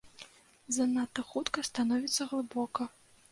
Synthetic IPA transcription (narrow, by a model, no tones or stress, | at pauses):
zɐnat̪ɨxut̪kɐst̪anɔvʲit̪sːɐɣlˠɨbɔkɐ